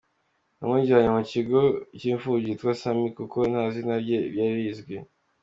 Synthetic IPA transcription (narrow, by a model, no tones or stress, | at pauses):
amŋiːɟiaɲemuciɡo̞ciːɱfuɟitwasamikuko̞n̥haːzinabɟeβjaɾizɡwe